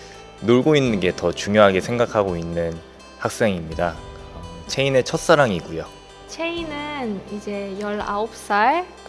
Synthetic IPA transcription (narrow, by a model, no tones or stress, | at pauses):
noɭɡoinːɯnɡe̞tʌt͡ɕuŋjoɦaɡe̞sʰe̞ŋɡakʰaɡoinːɯn | hak̚s͈e̞ŋimɲidakt͡ɕʰe̞ine̞t͡ɕʰʌt̚s͈aɾaŋiɡujo | t͡ɕʰeinɯnid͡ʑe̞jʌɭa̰op̚s͈aɭ